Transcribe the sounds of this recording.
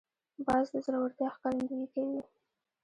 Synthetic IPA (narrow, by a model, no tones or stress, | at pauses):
bɑzd̪əzɾɑwəɾt̪jɑxkɑɾand̪aɡikawi